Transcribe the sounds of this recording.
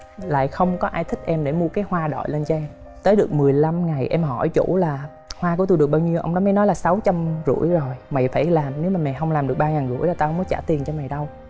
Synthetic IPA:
la̰ː˧˨jxə˧wŋ͡mkɔ˨˦ʔaː˧jt̪ʰï˥k̟̚ʔɛ˧mɗe˧˩mu˧əkaː˨˦jhwaː˧ɗɔ̰˧˨jle˧nt͡ɕɔ˧ʔɛ˧m | t̪əː˨˦jɗɨ˨˩ək̚mɨ˨˩əjla˧mŋa˨˩jʔɛ˧mhɔ˧˩jt͡ɕṵ˧˥laː˨˩ | hwaː˧ku˧˩t̪u˧jɨ˨˩k̚ɓaː˧wɲi˧əwʔə̰˧wŋ͡mɗɔ˨˦mə˨˦nɔ˨˦laː˨˩sa˨˦wt͡ɕa˧mzṵ˧˩˥jzo˨˩jma̰˨˩jfaː˧˩jlaː˨˩mne˨˦wmaː˨˩mɛ̰˨˩ɦə˧wŋ͡mlaː˨˩mɗɨ˨˩əɓaː˧ŋaː˨˩nzṵ˧˩˥əjlaː˨˩t̪a˧hə˧wŋ͡mkɔ˨˦t͡ɕa̰ː˧˩t̪i˨˩ənt͡ɕɔ˧ma˨˩jɗə˧w

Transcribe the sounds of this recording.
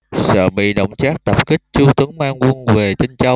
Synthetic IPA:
sə̰ː˧˨ɓḭ˧˨ɗə̰˧˨wŋ͡mt͡ɕaː˦˥k̚t̪ə˨˩p̚kï˦˥k̟̚t͡ɕu˧t̪ɨ˨˦əŋmaː˧ŋŋu˧ənve˨˩t͡ɕi˧nt͡ɕa˧w

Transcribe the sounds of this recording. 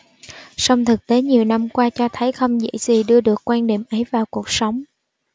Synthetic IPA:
sa˧wŋ͡mt̪ʰɨ˨˩k̚t̪e˨˦ɲi˨˩əwna˧mkwaː˧t͡ɕɔ˧t̪ʰə˨˦jxə˧wŋ͡mzə̰˧˥jzi˨˩ɗɨ˧əɗɨ˨˩əkːwaː˧nɗḭ˧˩mʔə˨˦jvaː˨˩wku˨˩ək̚sə˨˦wŋ͡m

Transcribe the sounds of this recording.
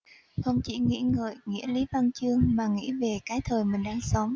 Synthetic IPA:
xə˧wŋ͡mt͡ɕḭ˧˩ŋḭ˧˥ŋə̰ː˧˨˩jŋḭ˧˥əli˨˦va˧ŋt͡ɕɨ˧əŋmaː˨˩ŋḭ˧˥ve˨˩kaː˨˦jt̪ʰəː˨˩jmï˨˩ŋ̟ɗaː˧ŋsə˨˦wŋ͡m

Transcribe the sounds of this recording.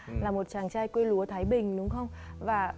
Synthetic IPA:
laː˨˩mo˨˩t̚t͡ɕaː˨˩ŋt͡ɕaː˧jkwe˧lu˨˦ət̪ʰaː˨˦jɓï˨˩ŋ̟ɗʊ˨˦ŋ͡mxə˧wŋ͡mvaː˨˩

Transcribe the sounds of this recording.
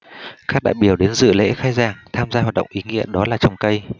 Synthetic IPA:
kaː˦˥k̚ɗa̰ː˧˨jɓi˧˩əwɗe˨˦nzɨ̰˧˨lḛ˧˥xaː˨˦jzaː˨˩ŋt̪ʰaː˧mzaː˧waː˨˩t̚ɗə̰˧˨wŋ͡mʔi˨˦ŋḭ˧˥əɗɔ˨˦laː˨˩t͡ɕə˨˩wŋ͡mkə˧j

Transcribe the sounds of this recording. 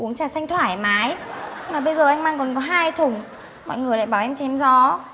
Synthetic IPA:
ʔu˨˦əŋt͡ɕaː˨˩sa˧jŋ̟t̪ʰwaː˧˩jmaː˨˦jmaː˨˩ɓə˧jzəː˨˩ʔjŋ̟maː˧ŋkɔ˨˩nkɔ˨˦ɦaː˧jt̪ʰʊ˨˩ŋ͡m | mɔ̰˧˨jŋɨ˨˩əjla̰ː˧˨jɓaː˧˩ʔɛ˧mt͡ɕɛ˨˦mzɔ˨˦

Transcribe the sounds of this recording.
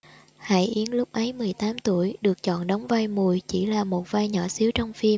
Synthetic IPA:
ha̰˧˨jʔi˨˦ənlʊ˦˥k͡p̚ʔə˨˦jmɨ˨˩əjt̪aː˨˦mt̪ṵ˧˩əjɗɨ˨˩ək̚t͡ɕɔ̰˧˨nɗɔ˨˦wŋ͡mvaː˧jmu˨˩əjt͡ɕi˧˩laː˨˩mo˨˩t̚vaː˧jɲɔ̰˧˩si˨˦wt͡ɕɔ˧wŋ͡mfi˧m

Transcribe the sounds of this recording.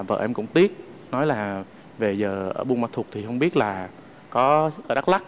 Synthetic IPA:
və̰ː˧˩ʔɛ˧mkʊ̰˧˥ŋ͡mt̪i˦˥ət̚ | nɔ˨˦jlaː˨˩ | ve˨˩zəː˨˩ʔəː˧˩ɓu˧nmaː˨˧˩t̪ʰu˨˩ək̚t̪ʰi˨˩hə˧wŋ͡mɓi˦˥ət̚laː˨˩ | kɔ˨˦˧ɗa˦˥k̚la˦˥k̚

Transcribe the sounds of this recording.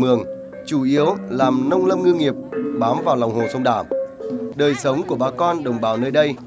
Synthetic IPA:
ɨ˨˩əŋ | t͡ɕu˧˩ʔi˨˦əwlaː˨˩mnə˧wŋ͡mlə˧mŋɨ˧ŋi˨˩əp̚ɓaː˨˦mvaː˨˩wlɔ˨˩wŋ͡mho˨˩sə˧wŋ͡mɗaː˧˩mɗəː˨˩jsə˨˦wŋ͡mku˧˩əɓaː˧˩kɔ˧nɗə˨˩wŋ͡mɓaː˧˨˩wnəː˧jɗə˧j

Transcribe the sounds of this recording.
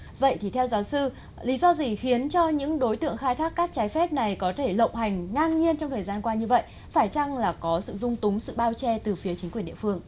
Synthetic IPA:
və̰˧˨jt̪ʰi˨˩t̪ʰɛ˧wzaː˨˦wsɨ˧ | li˨˦zɔ˧zi˨˩xi˨˦ənt͡ɕɔ˧ɲɨ̰˧˥ŋɗo˨˦jt̪ɨ̰˧˨əŋxaː˧jt̪ʰaː˦˥kːaː˦˥k̚t͡ɕaː˨˦jfɛ˦˥p̚na˨˩jkɔ˨˦t̪ʰe˧˩lə̰˧˨wŋ͡mha˨˩jŋ̟ŋaː˧nɲi˧ənt͡ɕɔ˧ŋ͡mt̪ʰəː˨˩zaː˧nkwaː˧ɲɨ˧və̰˧˨j | faː˧˩jt͡ɕa˧ŋlaː˨˩kɔ˨˦sɨ̰˧˨zʊ˧ŋ͡mt̪ʊ˨˦ŋ͡msɨ̰˧˨ɓaː˧wt͡ɕɛ˧t̪ɨ˨˩fi˨˦ət͡ɕi˨˦ŋkwi˨˩nɗḭ˧˨fɨ˧əŋ

